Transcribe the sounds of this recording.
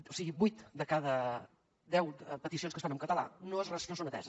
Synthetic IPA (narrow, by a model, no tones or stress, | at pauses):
osiɣibujt̪d̪əkaðə | d̪ɛwpət̪isionskəsfanəmkət̪əla̰noezrɛsnos̬onət̪ɛ̰zəs